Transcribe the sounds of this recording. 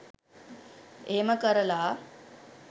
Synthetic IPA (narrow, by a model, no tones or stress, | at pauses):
eːməkəɾəlaː